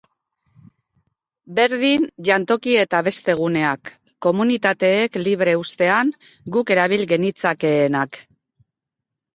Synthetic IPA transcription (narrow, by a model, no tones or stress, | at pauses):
be̞ɾðinʎant̪o̞kie̞t̪aβe̞st̪e̞ɣ̞une̞akː | o̞munit̪at̪e̞ːkliβ̞ɾe̞ust̪e̞aŋ | ɡuke̞ɾaβ̞ilɣe̞nit͡sake̞ːnak